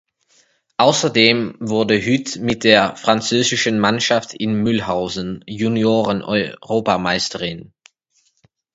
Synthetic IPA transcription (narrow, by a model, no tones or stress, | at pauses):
ʔaʊsɐdeːmvʊɐdəɦytmɪt̚d̥eːɐfʁ̥ant͡søːzɪʃən̩manʃaftʰɪnmʏlhaʊzn̩junjoːʁənʔɔʏʁoːpamaɪstəʁɪn